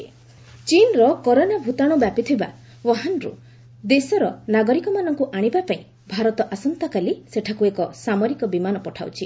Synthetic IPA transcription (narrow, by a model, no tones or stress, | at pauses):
t͡ʃinɾɔkɔɾonabʱut̪aɽ̃ubjapit̪ʰiba̰ | wɔɦanɾṵ | d̪esɔɾɔnaɡɔɾikɔmanɔŋkuʔaɽ̃ibapaĩ | bʱaɾɔt̪ɔʔasɔnt̪akaliseʈʰakuekɔsamɔɾikɔbimanɔpɔʈʰawt͡ʃʰi